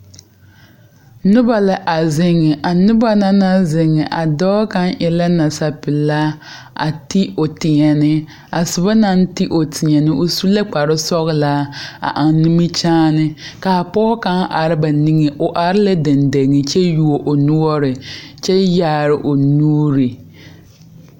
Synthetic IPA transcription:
nʊ˦ba˨la˦ʔa˨zɪ˦ŋɪ˨ʔa˨nʊ˦ba˦na˦na˦zɪ˨ŋɪ˨ʔa˨dɔː˦ka˦n˦ʔɪ˨la˦na˨sa˨pɪ˨la˦ | ʔa̰˨ti˦o˨tɪ˨ɲɛ˨nɪ˦ | a˨sʊ˨ba˦na˦n˦ti˦ʔo˨tɪ˨ɲɛ˨nɪ˦ʔo˦su˦la˦k͡pa˨ɾɪ˦sɔ˦ɣɪ˦la˦a̰˨ʔa˨n˦ni˦mɪ˦t͡ʃaː˦nɪ˦ka˨pɔː˦ka˦ŋʔa˨ɾɪ˦ba˨ni˦ŋɛ˨ʔʊ˨ʔa˨ɾɪ˦la˦de˨nde˨ŋɪ˨t͡ʃɛ˦ju˦o˨ʔo˨nʊ˦ɔ˦ɾɪ˨t͡ʃɛ˦jaː˦˨ɾɪ˨ʔo˨nuː˦ɾi˨

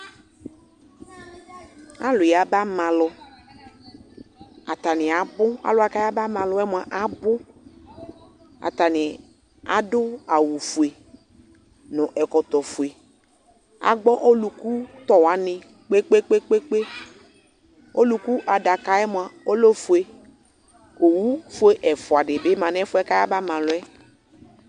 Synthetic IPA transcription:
a˦lʊ˨ja˨ba˦mã˨lɔ˨ | a̰˨t̪a˨nɪ˨a˨bʊ˦a̰˨lʊ˨˦a˨ka˦ja˦ba˦mã˨lɔ˦ɛ˦mʊ˨a˨ʔa˨bʊ˦ | a̰˨t̪a˨nɪ˨ | a̰˨dʊ˦a˨wu˨fu˨e˨ | nʊ̃˨ʔɛ˨kɔ˨t̪ɔ˨fe˨ | a̰˨ɡ͡bɔ˦ʔo˦lu˨ku˦t̪ɔ˨wa˨nɪ̃˨ | k͡pe˦k͡pe˦k͡pe˦k͡pe˦k͡pe˦ | o˦lu˨ku˦ʔa˨da˨ka˨ɛ˦mʊ̃˨a˨o˦lo˦fʊ˨e˨ | o˨wu˦fʊ˦e˨ʔɛ˨fʊ˨a˨ɖɪ˨be˦mã˨n˦ɛ̃˦fʊ˦ɛ˦ka˦ja˦ba˦mã˨lʊ˦ɛ˦

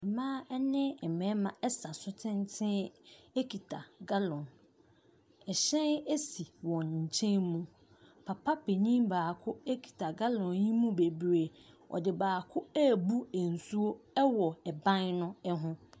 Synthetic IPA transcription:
ɛ˨mãː˦ɛ˦nɪ̃˦ɛ˨mɛ̃˨˦mã˨ɛ˦sa˨sʊ˦tʰɪ̃˦n˦tʰɪ̃˦e˦kʰi˨tʰa˨ɡa˦lɔ̃˨n | ɛ˨ɕɛ̃˦ne˦si˨wɔ̃˨n˨ɲ̩˨t͡ɕʰɛ̃˦nmũ˨ | pʰa˨pʰa˦pʰe˨ɲĩ˦mbaː˨kʰʊ˦e˦kʰi̥˨tʰa˨ɡa˦lɔ̃˨njĩ˦mũ˦be˨bɾe˨ | ɔ̰˨dɪ˨baː˨kʰʊ˦æ˦˨bu˦e˨n̩˨su˦o˦ɛ˦wɔ˨ɛ˨bã˦nnʊ̃˦ɛ˦ɦʊ̃˦

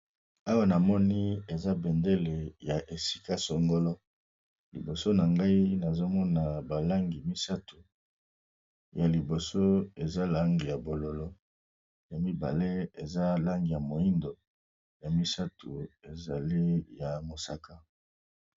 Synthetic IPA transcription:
a˦wa˦na˨mɔ˦ni˦e˨za˦bɛ˨nde˦le˨ja˨ʔe˨si̥˦ka˦sɔ˨ŋɡo˦lɔ˦ | lḭ˨bo˨so˦na˨ŋɡa˦i˦na˨zo˦mɔ˦na˨ba˨la˦ŋɡi˨mi˦sa˦tu˨ | ja˨li˨bo˨so˦e˨za˦la˦ŋɡi˨ja˨bo˨lo˨lɔ˦ | ja˨mi˦ba̰˨le˦e˨za˦la˦ŋɡi˨ja˨mo˨i˦ndo˨ | ja˨mi˦sa˦tʰu˨e˨za˨li˦ja˨mo˨sa˨ka˦

